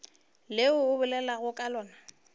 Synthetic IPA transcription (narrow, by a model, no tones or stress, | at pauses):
lɪʊːbʊlɛlaɣʊkʼalɔːna